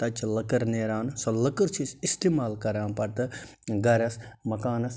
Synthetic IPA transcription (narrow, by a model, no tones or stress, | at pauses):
t̪ɐt͡ʃlɐkɐɾneːɾaːnsolɐkəɾt͡ʃʰisist̪eːmaːlkɐɾaːnpɐɾt̪ɨɡɐɾɐsmɐkaːnɐs